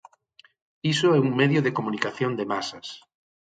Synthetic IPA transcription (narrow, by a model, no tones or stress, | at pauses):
isoɛuŋmeðjoðekomũnikaθjond̪emasas